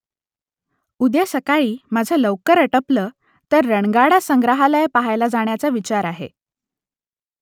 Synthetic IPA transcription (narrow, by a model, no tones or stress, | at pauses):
ud̪esəkaiːmad͡zʱələwkəɾəʈəpləː | t̪əɾːəɳɡaɽasəŋɡɾəɦalaepaɦajlad͡zaɳ̃jat͡saʋit͡ɕaɾaɦḛ